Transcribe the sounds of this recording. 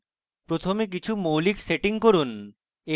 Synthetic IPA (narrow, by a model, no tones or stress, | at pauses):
pɾot̪ʰomek̬it͡ɕʰumowlikseʈiŋkoɾun | e